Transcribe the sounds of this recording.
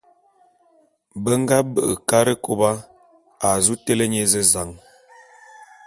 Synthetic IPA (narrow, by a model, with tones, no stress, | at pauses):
bə˦ŋ˦ɡa˦bə˨ʔə˨ka˦ɾə˦ko˦ba˦ | a˨zu˦te˦lə˦ɲe˦zə˦za˨˦ŋ